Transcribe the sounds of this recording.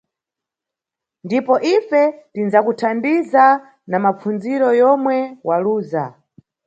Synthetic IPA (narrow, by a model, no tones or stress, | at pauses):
ndipɔʔifɛtinzakutʰandiza | namap͡funziɾɔjɔmwɛwaluːza